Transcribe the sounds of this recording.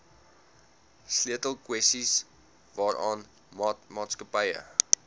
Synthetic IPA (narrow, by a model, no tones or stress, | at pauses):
sliətəlˠkwɛstis | vɑːɾʔɑːn | mɑːtskəpəjə̰